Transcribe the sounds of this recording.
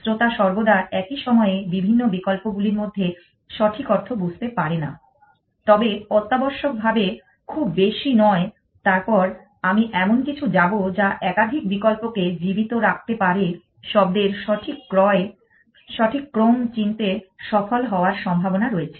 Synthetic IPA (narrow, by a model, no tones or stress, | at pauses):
sɾot̪aʃɔɾbod̪aʔɛkiʃɔmɔebibʱinːobikɔlpoɡuliɾmod̪ʱːe | ʃɔʈʰikɔɾt̪ʰobud͡ʑʱt̪epaɾena̰ | t̪ɔbeɔt̪ːabɔɾʃok̚bʱabe | kʰubːeʃinɔe | t̪aɾpɔɾ | amiʔɛmonkit͡ɕʰud͡ʑabod͡ʑaʔɛkad̪ʱik̚bikɔlpoked͡ʑibit̪oɾak̚t̪epaɾe | ʃɔb̚d̪eɾʈʰikːɔe | ʃɔʈʰikːɾomt͡ɕint̪eʃɔfolɦɔoaɾʃɔmbʱabonaɾoet͡ɕʰe̥